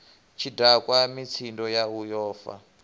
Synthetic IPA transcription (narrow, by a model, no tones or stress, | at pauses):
t͡ʃʰidakwamit͡sʰindɔjaujɔːfa̰